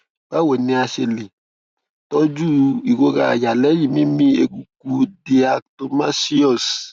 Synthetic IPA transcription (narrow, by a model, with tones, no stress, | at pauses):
ba˦wo˨ne˧a˧ʃe˨le˨ | tɔ˦d͡ʒu˦i˨ɡo˧ɣa˨ja˨lɛ˦ji˨mĩ˦mĩ˦e˧ku˨k̚u˧di˦a˨kto˦ma˦si˦ɔ˦˨s